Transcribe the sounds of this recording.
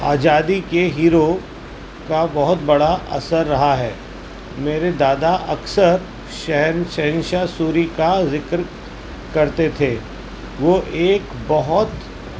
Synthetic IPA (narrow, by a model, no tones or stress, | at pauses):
a̰ːd͡ʒaːd̪ikeɦiːɾo | kabɐɦʊt̪̚bɐɽaɐ̰səɾːɐɦaɦɛː | meːɾed̪aːd̪aʔɐksəɾ | ʃɛɦɛnʃɛɦɪ̃nʃasuːɾikazɪkɾ | kɐɾt̪et̪ʰeː | ʋoʔeːk | bɐɦɔt̪